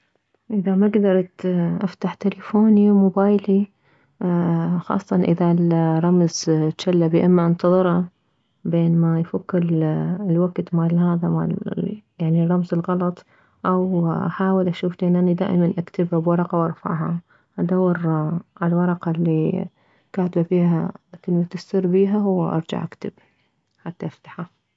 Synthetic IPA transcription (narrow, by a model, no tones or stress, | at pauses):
ʔɪðamaɡd̪ɑɾˤt̪ʔaft̪aħt̪ɪlafoːnimʊbaːjli | xɑ̰ːsˤːɑnʔɪðalɾˤːɑmzʃalːabiʔɪmːaʔɪnt̪ɑðˤɨɾɑ | beːnmajfʊkːɪllwaɡt̪maːlhaːðama̰ljaʕnirˤːɑmzɪlɣɑlɑt̪ˤ | ʔawʔaħaːwɪlʔaʃuːfliʔɪnʔanid̪a̰ːʔɪmanʔakt̪ɪbhabwɑɾˤɑqɑwʔɑɾˤfa̰ʕɦa | ʔad̪awːɑɾʔalwɑɾˤɑqɑlːi | kaːt̪ɪbafiːhakɪlmat̪ɪsːɪɾbiːɦaɦʊwːa̰ʔɑ̰ɾˤd͡ʒa̰ʕʔakt̪ɪb | ħat̪ːaʔaft̪ḁħa